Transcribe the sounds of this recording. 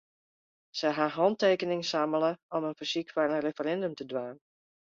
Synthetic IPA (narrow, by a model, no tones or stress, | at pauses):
sɛɦaɦɔnteːkənɪŋsamələɔmənfisikfarənrefərɛndømtədʋaːn